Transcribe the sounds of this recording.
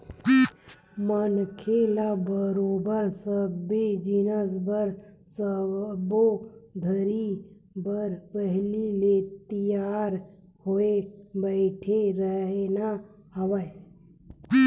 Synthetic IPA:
mənkʰelabəɾoːbəɾsəbːid͡ʒɪnəsbəɾ | səbod̪ʱəɾi | bəɾpəɦlilet̪əjaːɾ | hoebəɪʈʰeɾəɦena | həʋə

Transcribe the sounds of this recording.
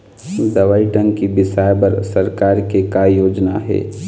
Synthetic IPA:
d̪ɐʋaːiʈə̃ŋɡkibɪsaːjbəɾsɐɾkaːɾkekajoːd͡ʒnaɦɛ̰ː

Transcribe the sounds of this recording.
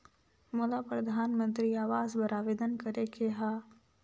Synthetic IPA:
moːlapɾəd̪ʱaːnmə̃nt̪ɾiaːʋaːzbɐɾaːʋeːd̪ənkɐɾekeɦaː

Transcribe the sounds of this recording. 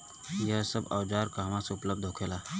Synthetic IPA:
jəɦsəbəwd͡ʒaːɾkaɦmãseʊpləb̚d̪ʱɦokʰela

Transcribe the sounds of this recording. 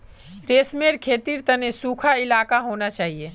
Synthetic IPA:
ɾeːsmeːɾkʰeːt̪iːɾt̪ɐnesuːkʰaɪlaːkaɦoːnat͡ʃaːɦieː

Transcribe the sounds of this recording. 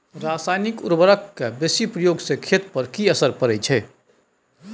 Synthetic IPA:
ɾaːsaːjnɪkʊɾbəɾəkːebesipɾəjoːɡsekʰet̪pəɾkiəsəɾpəɾɛt͡ʃʰɛ

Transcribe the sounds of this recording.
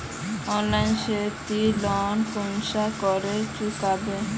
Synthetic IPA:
ɔnlajnʃet̪ilɔnkunʃakɔɾet͡ɕukabe

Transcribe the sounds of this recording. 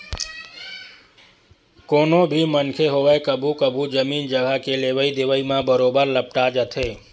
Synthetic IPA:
konobʱimənkʰeɦoʋaekəbʱukəbʱud͡ʒəmind͡ʒəɡʱakeleʋəid̪eʋəimãbəɾobəɾləp̚ʈad͡ʒət̪ʰe

